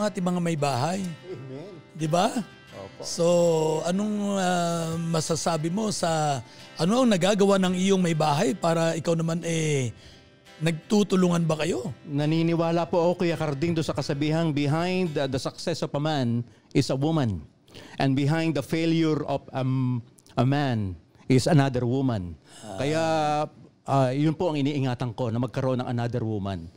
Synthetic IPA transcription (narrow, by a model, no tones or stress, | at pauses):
ŋʔaːt̪ɪŋmɐŋamɐjbaːɦaj | d̪ɪba | oso̞ɐno̞ŋɐmɐsasaːbɪmo̞sɐ | ʔɐnoʔɐŋnɐɡaːɡɐwanɐŋɪjoŋmɐjbaːɦɐjpaːɾɐʔɪkawnɐmanɛ | nɐɡ̚t̪ut̪ʊlʊŋɐnbɐkɐjo̞nɐniːnɪwaːlɐpoʔɐko̞kɐjakɐɾd̪ɪŋd̪ʊnsɐkɐsɐbiːɦɐŋbɪɦãjnd̪d̪ɐsɐk̚sɛsovɐman | ʔɪsɐwumɐ̃n | ʔɐ̃nbɪɦãjnd̪ːɐfeljʊɹovɐ | ʔɐman | ʔɪsɐnad̪ɛɹwumɐ̃nkɐjaʔ | ʔajʊnpoʔɐŋɪniːʔɪŋaːt̪ɐŋko̞nɐmɐɡ̚kɐɾɐʔo̞nːɐ̰ŋʔɐ̰nad̪ɛɾwumã̰n